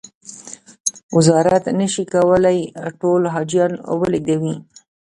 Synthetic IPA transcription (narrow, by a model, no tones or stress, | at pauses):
wɪzɑɾat̪nəʃikawəlajʈolɦɑd͡ʒjɑnwəliɡ̚d̪awi